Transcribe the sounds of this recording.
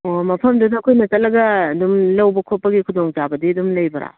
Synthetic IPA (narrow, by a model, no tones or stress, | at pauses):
omɐpʰɐmdɐdɐɐkʰojnɐtɐlɐɡɐːdumlɐwbɐkʰopːɐɡikʰudoŋt͡ʃabɐdiɐdumlɐjbɐɾa̰